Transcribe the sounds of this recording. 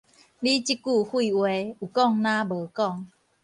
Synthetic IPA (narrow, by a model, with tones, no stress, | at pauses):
li˦t͡ɕi˦ku˥˧˨hi˥˧˨we˧˦u˨˩kɔ˥˨ŋnã˦bəː˨˦kɔ˥˨ŋ